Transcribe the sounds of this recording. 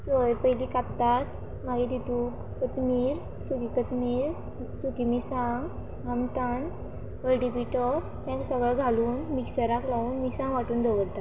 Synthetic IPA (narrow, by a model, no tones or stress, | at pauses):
səjpəjlikap̚t̪at̪ | maɡid̪it̪ũːkːət̪miːɾ | sukikət̪miːɾ | sukimisãŋɡ | ɦamt̪an | əlʈipiʈɔ | t̪ãksəɡɭəɡʱaluːnmiksəɾaklauːnmiksãŋɡʋaʈuːnd̪ʱɔʋəɽt̪at̪